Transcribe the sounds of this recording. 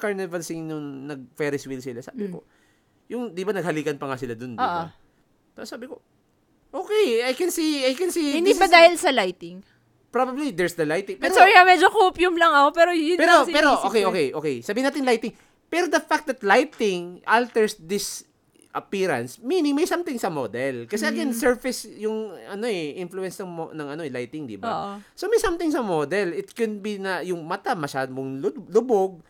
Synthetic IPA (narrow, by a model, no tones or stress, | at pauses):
kaɹnɛvɐlsɪŋnʊŋnɐɡ̚fɛɾɪswilsɪlasa̰ːbɪpo̰ | jʊŋd̪ibɐnɐɡ̚hɐliːkɐnpɐŋasɪlad̪ond̪oʔ | t̪ɐsaːbɪko | ʔoːkɛjajkɛnsiajkɛnsihɪnd̪ibɐd̪aːhɪlsɐlajt̪ɪŋ | pɹabɐblid̪ɛɹsd̪ɐlajt̪ɪ̃ŋpɛɾsɔɹɪhamɛd͡ʒokopjʊmlɐŋɐkopɛɾojʊpɛɾopɛːɾoʔo̞ːkɛjʔo̞kɛjʔo̞ːkɛjsɐbiːɪnaːt̪ɪnlajt̪ɪŋ | pɛɾod̪ɐfak̚t̪̚d̪ɐt̪̚lajt̪ɪŋʔalt̪ɛɹsd̪ɪs | ʔɐpiːɾɐ̰nsmiːnɪŋmɐjsɐmt̪ɪŋsɐmo̰d̪ɛlkɐsɛʔɐɡɛnsɛɹfɪsjʊŋɐno̞ʔɛʔɪnfluɛ̃nsnɐŋmonɐŋɐnoɛlajt̪ɪŋd̪ḭbaʔsomɐjsɐmt̪ɪŋsɐmod̪ɛlɪt̪kɛnbinɐjʊŋmɐt̪amɐʃa̰ːd̪omoŋlʊlʊboɡ̚